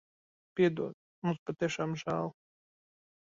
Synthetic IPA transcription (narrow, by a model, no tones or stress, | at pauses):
pʲiɛd̪ṵɔd̪ | mũspat̪iɛʃaːmʒæːlˠ